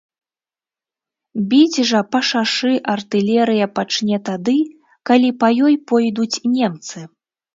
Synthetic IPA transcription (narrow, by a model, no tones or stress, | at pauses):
bʲid͡zʲʐɐpɐʂaʂɨʔɐrt̪ɨlʲɛɾɨjɐpat͡ʂnʲɛt̪ad̪ɨ | kalʲipɐjɔjpɔjd̪ut͡sʲnʲɛmt̪sɨ